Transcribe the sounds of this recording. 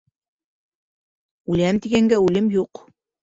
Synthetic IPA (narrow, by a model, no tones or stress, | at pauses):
ʉlæmt̪iɡæŋɡæʉlɘmjuq